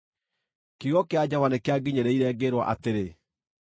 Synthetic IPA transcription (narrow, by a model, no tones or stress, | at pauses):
kiɣɔkead͡ʑavwanekeaɡiɲeɾɛiɾɛːɡeɾwɔ̰ʔa̰teɾe